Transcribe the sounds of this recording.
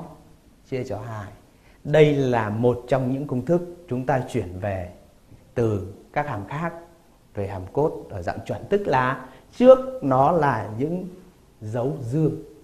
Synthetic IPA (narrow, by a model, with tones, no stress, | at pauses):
t͡ɕi˧ət͡ɕɔ˨˧ɦaː˧˩j | ɗə˧jlaː˨˩mo˨˩t̚t͡ɕɔ˧wŋ͡mɲɨ̰˧˥ŋkʊ˧wŋ͡mt̪ʰɨ˦˥k̚t͡ɕʊ˨˦ŋ͡mt̪aː˧t͡ɕwi˧˩ənve˨˩ | t̪ɨ˨˩kaː˦˥k̚haː˨˩mxaː˦˥k̚ | ve˨˩ɦaː˨˩mko˦˥t̚ʔəː˧˩za̰˧˨ŋ͡mt͡ɕwə̰˧˨nt̪ɨ˦˥k̚laː˨˩t͡ɕɨ˦˥ək̚nɔ˨˦laː˨˩ɲɨ̰˧˥ŋ | zə˨˦wzɨ˧əŋ